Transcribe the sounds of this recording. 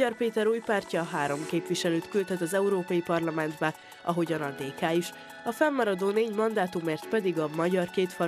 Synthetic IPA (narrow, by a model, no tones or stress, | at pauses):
ɒrpeːt̪ɛɾuːjpaːrcɒɦaːɾo̞mkeːpʋiʃɛløːt̪kylt̪ɛt̪ɒzɛuɾoːpɒjipɒrlɒmɛnd̪bɛ | ɒɦo̞ɟɒnɒd̪eːkaːiʃ | ɒfɛmːɒɾɒd̪oːneːɟmɒnd̪aːt̪umeːrt̪pɛd̪iɡɒmɒɟɒrkeːt̪fɒ